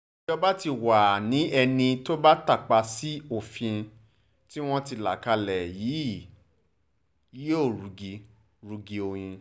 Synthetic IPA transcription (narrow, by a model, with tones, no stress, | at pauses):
d͡ʒɔ˧˦ba˦ti˧wa˨nĩ˨˦ɛ˧nĩ˧to˦ba˦ta˦˨k͡pa˧si˦o˦˨fĩ˧ | ti˦w̃ɔ̃˦ti˧˨la̰˨ka˧lɛ˨ji˨˦˨ | ji˨˦o˦˨ɾu˨ɡi˧ | ɾu˧ɡi˧o˧j̃ĩ˧